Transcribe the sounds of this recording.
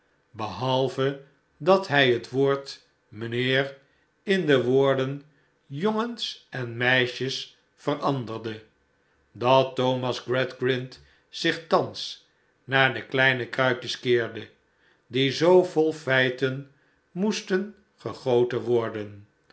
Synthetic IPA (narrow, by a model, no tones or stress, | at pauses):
bəɦɑlˠvə | dɑtɦɛjɦətʋoːɹt | mənɪːr | ɪndəʋʊːɹdən | joŋənsɛnmɛjʃəs | fərʔɑndərdə | dɑtːowmɑzɡrɛdɡrɪnt | sɪχtɑns | naːɹdəklɛjnəkrœɥkjəskɪːɹdə | dizowvolˠfɛjtən | mustən | χəχowtənʋɔɹdən